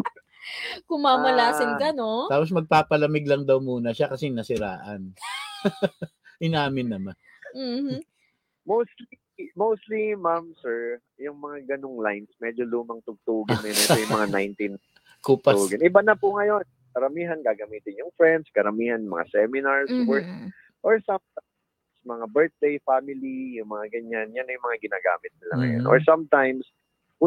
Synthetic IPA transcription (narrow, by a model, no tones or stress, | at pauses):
kʊŋmaːɐlaːsɪnkɐnoaːpos̬mɐɡ̚paːpɐlɐmɪɡ̚lɐŋd̪ɐwmuːnɐʃakɐsɛnɐsɪɾaːʔɐn | ʔɪnaːmɪnːɐman | m̩ | mowst̪li | mowst̪limamsɛɹ | jʊŋmɐŋaɡɐnoŋlajnsmɛd͡ʒoluːmɐŋt̪ʊɡ̚t̪uːɡɪnːɐjnɛt̪ojʊŋmɐŋanajnt̪in | kuuɡɪnʔɪbanɐpʊŋɐjo̞n | kɐɾɐmiːɦɐnɡaːɡɐmiːt̪ɪnjʊŋfɹɛnd̪̚skɐɾɐmiːhɐnmɐ̰ŋa̰sɛmɪnaɹswɛɹ | ʔoɹsamt̪a | msmɐŋabɛɹt̪̚d̪ejfamɪlijʊŋmɐŋaɡɐɲanjanːɐjʊŋmɐŋaɡɪnaːɡa̰ːmɪt̪̚nɪlɐ̰ŋɐ̰jo̰nʔo̰ɹsamt̪ajms | ʊ